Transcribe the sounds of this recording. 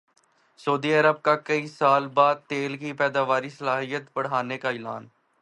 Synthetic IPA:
səːd̪iːəɾəb̚kakəiːsaːlbaːd̪̚t̪eːlkipɛːd̪aːʋaːɾisəlaːɦijət̪bəɽ̤aːnekaɪla̰ːn

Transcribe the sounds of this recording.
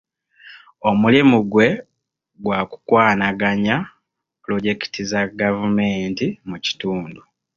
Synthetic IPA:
o̞mulimuɡwe̞ | ɡwaːku̥kwaːnaɡaɲa | plo̞ɟe̞ki̥tizaɡavumeːntimuci̥tuːndu

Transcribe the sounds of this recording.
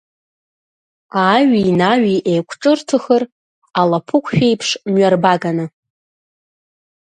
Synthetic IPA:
aɥinaɥiʔejkʷʰʈ͡ʂʼɨrtʰɨxər | alapʰɨkʷʰʃᶣejpʰʂmɥarbaɡanɨ

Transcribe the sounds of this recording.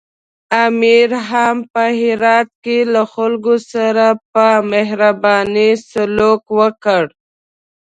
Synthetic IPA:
amiɾɦampəɦɪɾɑt̪̚kelaxalɡosaɾapəmeɦɾabɑnisalokwəkəɽ

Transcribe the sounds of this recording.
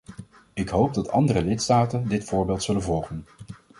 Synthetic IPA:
ɪkɦowb̚dɑtɑ̰ndərəlɪtstaːtəndɪtfʊːɹbɪːlˠtsɵlənvɔlˠχən

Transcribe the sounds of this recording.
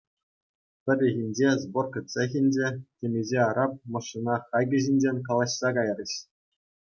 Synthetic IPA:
pʲɘ̆rʲɘ̆ɣʲinʲd͡ʑezborkʲɤ̆t̪ʲsʲexʲinʲd͡ʑetʲemʲezʲeɑɾɑp̚mɤ̆ʂɯnɑχɑjɡʲɘ̆ʑinʲd͡ʑenʲkɑlˠɑɕsɑkɑjrʲɘ̆ɕ

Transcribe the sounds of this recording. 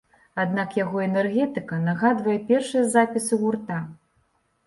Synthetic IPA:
ad̪nakjaɣɔɛnɛrɣʲɛt̪ɨkɐnaɣad̪vɐjɛpʲɛrʂɨjɐzapʲisɨɣurt̪a

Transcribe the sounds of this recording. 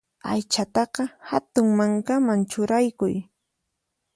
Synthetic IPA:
ajt͡ʃat̪ɑqɑhat̪ʊŋmaŋkamant͡ʃʊɾajkʊ̰j

